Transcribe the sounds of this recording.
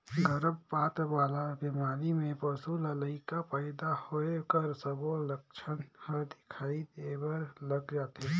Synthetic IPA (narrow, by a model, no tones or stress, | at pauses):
ɡəɾəbpaːt̪ʋaːlabɪmaːɾimẽpəsulələɪkapəːɪd̪ahoekəɾsəboləkt͡ʃʰənhəd̪ɪ̥kʰaːid̪ebəɾləɡd͡ʒaːt̪ɦe